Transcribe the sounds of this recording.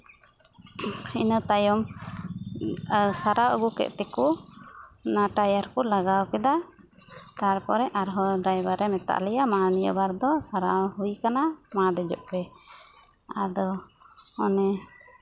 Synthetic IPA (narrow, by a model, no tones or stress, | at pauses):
ḭnət̪ajɔm | saɾawʔə̰ɡukɛ̰ʔt̪ɛku | naʈajaɾkɔlaɡawkɛd̪a | t̪aɾpɔɾɛʔaɾɦɔɖɾajbaɾɛmɛt̪a̰ʔlɛjamanijə̰baɾd̪ɔsaɾawhujkanamad̪ɛd͡ʒɔʔ̚pɛ | a̰d̪ɔ | ɔnɛ